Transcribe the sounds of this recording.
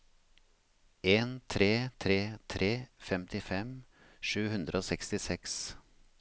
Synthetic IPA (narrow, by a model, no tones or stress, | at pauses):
eːnt̪ʰɾeːt̪ʰɾeːt̪ʰɾʔeːfɛmt̪ɪfɛm | ʂʉːhʉnd̪ɾəoːsɛkst̪ɪsɛks